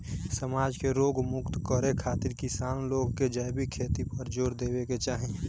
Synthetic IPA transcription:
səmaːd͡ʒkeɾoːɡmʊkt̪kəɾekʰaːt̪ɪɾkɪsaːnloːɡked͡ʒajbikʰeːt̪ipəɾd͡ʒoːɾd̪eːweket͡ʃaːɦĩ

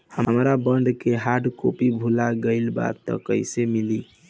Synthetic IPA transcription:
həmɾabəɳɖkeɦaɾɖko̰pibʱulaɡəɪlba̰t̪ːə̰kəɪsemili

